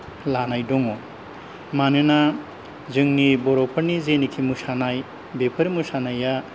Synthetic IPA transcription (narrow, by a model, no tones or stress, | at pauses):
lanajdɔŋɔ | manɯna | zɯŋnibɔɾɔpʰɯɾnizenikʰimɯsanaj | bepʰɯɾimɯsanaja